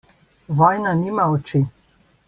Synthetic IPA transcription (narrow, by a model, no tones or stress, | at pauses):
ʋɔjnaniːmaɔt͡ʃi